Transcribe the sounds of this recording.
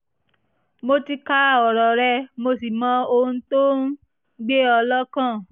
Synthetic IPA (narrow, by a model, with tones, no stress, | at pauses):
mo˧ti˧ka˦˨ɔ˨ɾɔ˨ɾɛ˧mo˧si˨mã˨˦o˧ũ˧˦to˦n˦ | ɡ͡be˦ɔ˧lɔ˦kã˦˨